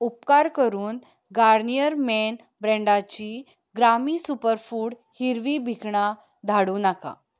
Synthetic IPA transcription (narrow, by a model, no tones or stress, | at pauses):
upkaɾkəɾuːn | ɡaɾnijəɾmen | bɾɛ̃ɳɖat͡ɕiː | ɡɾamiːsupəɾfuːɽ | hiɾʋiːbʱikɳa | d̪ʱaɽuːnaka̰